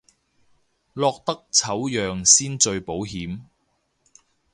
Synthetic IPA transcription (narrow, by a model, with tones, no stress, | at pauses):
lɔː˧k̚t̪ɐ˥k̚t͡sʰɐ˨˥wjœː˨ŋsiː˥nt͡ʃɵ˧ɥpo˨˥wɦiː˨˥m